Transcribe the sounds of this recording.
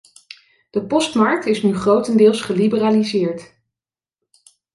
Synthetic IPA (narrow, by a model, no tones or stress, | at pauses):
d̥əpɔstmɑɹk̚tɪsnyχrowtəndɪːlˠsχəlibəraːlizɪːɹt